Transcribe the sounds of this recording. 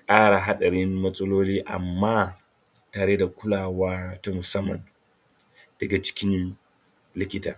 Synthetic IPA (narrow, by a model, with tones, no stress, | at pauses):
kʼaː˦ɽa˨ɦa˦ɗɐ˨ɽɪ˦mːɐ˦sʼɐ˦loː˦liː˦ʔa̰˨mːaː˦ | taː˨ɽe˦da˨kʷʊ˦laː˨waː˦ta˦mʊ˨sɐ˦mːɐ̰˨n | d̥ɐ˨ɡa˨t͡ʃɪ̥˦kʲɪ˦n | lɪ˦kʲɪ˦ta̰ː˨